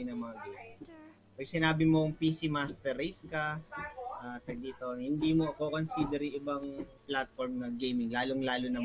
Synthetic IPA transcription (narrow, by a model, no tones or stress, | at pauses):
nɐmɐŋaɡejmɪŋ | pɐɡ̚sɪnaːbɪmo̞ŋpiːsimast̪ɛɾiskɐ | ʔat̪ɐd̪it̪ohɪnd̪iːmo̞ʔkoko̞nsiːd̪ɛɾiʔɪbɐŋplat̪̚foɾmnɐɡejmɪŋlaːloŋlaːlonɐm